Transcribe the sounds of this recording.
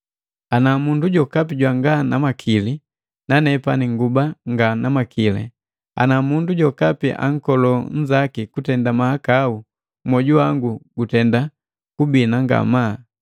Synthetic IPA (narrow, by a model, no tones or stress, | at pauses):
anamunduɟɔkap̬iɟwaŋɡanamakʰili | nanɛpaniŋɡubaŋɡanamakʰilɛ̰ | a̰namunduɟɔkapiʔa̰ŋ̩kɔlɔɲ̩d͡ʒakikutɛndamahakau | mɔɟuaŋɡuɡutɛnda | kubinaŋɡa̰ma